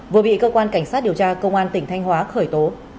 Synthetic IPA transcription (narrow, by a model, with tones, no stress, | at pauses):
vɨ˨˩əɓḭ˧˨kəː˧kwaː˧nka˧˩jŋsaː˦˥t̚ɗi˨˩əwt͡ɕaː˧kə˧wŋ͡mʔaː˧nt̪ï˧˩ŋ̟t̪ʰa˧jŋ̟hwaː˨˦xəː˧˩jt̪o˨˦